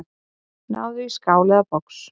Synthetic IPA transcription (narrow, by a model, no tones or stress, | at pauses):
na̰wðijskawlaapɔks